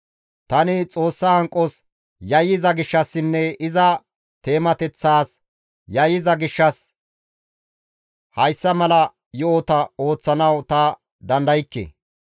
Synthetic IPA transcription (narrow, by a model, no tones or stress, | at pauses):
t̪ɐnɪt͡sʼo̞ːsːɐhɐŋkʼːɔs | jɐjːɪzɐɡɪʃːɐsːɪnːɛɪzɐ | t̪e̞ːmɐt̪ɛt͡sːaːs | jɐjːɪzɐɡɪʃːɐs | hɐjsːɐmɐlɐ | jʊot̪ɐo̞ːt͡sːɐnɐwt̪ɐ | d̪ɐnd̪ɐjɪkːḛː